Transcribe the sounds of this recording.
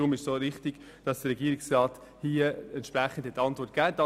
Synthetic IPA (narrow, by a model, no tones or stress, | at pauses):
ʊmɪʃsoːɾɪχtiɡ̥ | d̥ɑsd̥əɾɛɡiːɾɪksʁɑːt | hiəɛntʃpɾæχːən̩d̥hɛtːɑntvɔrt̚ɡ̥æːd̥ɑ